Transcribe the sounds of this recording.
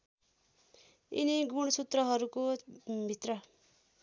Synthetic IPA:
ḭniɡuɽ̃ʌsut̪rʌɦʌɾukobʱit̪rʌ

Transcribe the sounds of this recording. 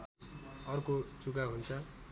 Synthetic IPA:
ʌrkod͡zukaɦunt͡sʰʌ

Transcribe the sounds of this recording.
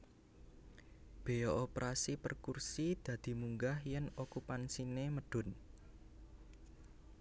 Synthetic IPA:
b̥e̤jɔʔopɾʔasipərkursid̪̥ä̤d̪̥i̤muŋɡahjɛnokupansineməɖ̥ʊ̤n

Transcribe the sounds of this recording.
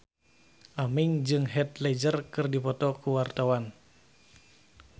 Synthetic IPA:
ʔamɪŋd͡ʒɨŋɦɛt̪lɛd͡ʒərkɨrdipɔt̪ɔkuwart̪awan

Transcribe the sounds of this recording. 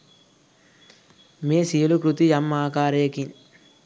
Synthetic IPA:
meːsijɐlukɾut̪ijɐmːaːkaːɾɐjɐkin

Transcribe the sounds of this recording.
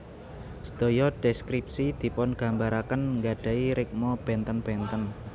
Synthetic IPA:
səd̪̥o̤jɔdɖ̥ɛskɾip̚sid̪̥i̤pɔnɡ̥a̤mbaɾakənŋɡaɖ̥a̤iɾɪk̚mɔb̥ɛnt̪ənb̥ɛnt̪ən

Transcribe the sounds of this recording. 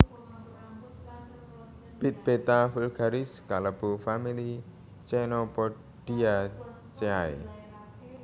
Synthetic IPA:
b̥it̪̚b̥et̪afulɡaɾiskaləbufamili | t͡ʃɛnɔpɔ | ɖ̥ia | t͡ʃeaḭ

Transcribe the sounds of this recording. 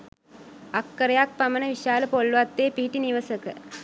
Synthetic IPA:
akːəɾejak̚pamənəʋiʃaːləpolːuʋat̪ːeːpiɦiʈiniʋəsəkə

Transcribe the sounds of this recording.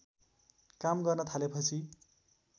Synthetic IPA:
kamɡʌrnʌt̪ʰalepʌt͡sʰi

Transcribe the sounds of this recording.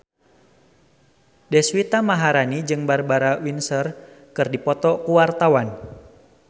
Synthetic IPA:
dɛswit̪amaɦaɾanid͡ʒɨŋbarbaɾawinsər | kɨrdipɔt̪ɔkuwart̪awan

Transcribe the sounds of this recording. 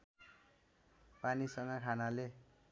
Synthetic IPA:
panisʌŋɡʌkʰanale

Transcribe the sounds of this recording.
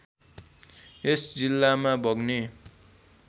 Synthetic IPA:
esd͡zilːamabʱʌɡne

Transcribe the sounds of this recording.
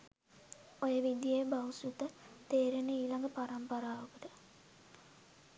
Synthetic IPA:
ojəʋid̪jejbausut̪ət̪eːɾenəiːlɐŋɡəpaɾɐmpɐɾaːʋokut̪ə

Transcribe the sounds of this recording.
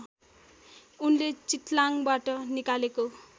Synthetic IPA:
unlet͡sit̪laŋbaʈʌnikaleko

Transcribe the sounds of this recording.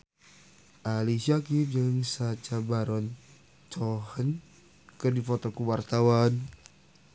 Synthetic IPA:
ʔalisiakip̚d͡ʒəŋsat͡ʃabaɾɔn | t͡ʃɔhən | kɨrdifot̪ɔkuwart̪awan

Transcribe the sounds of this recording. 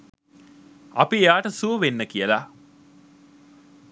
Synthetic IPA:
a̰piejaːʈəsuəʋenːəkijəla

